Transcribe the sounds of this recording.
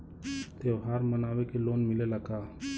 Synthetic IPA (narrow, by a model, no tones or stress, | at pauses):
t̪eːʋɦaːɾmɐnaːʋekeloːnmɪlelɐɡaː